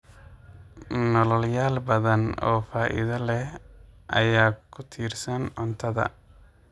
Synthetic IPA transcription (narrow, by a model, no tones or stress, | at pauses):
nɔlɔljaːlbɐðɐnɔːfaːʔɪ̰ðɐlɛhʔɐ̰jaːkʰʊt̪ʰiːrsɐnʕʊnt̪ʰɐðɐ̰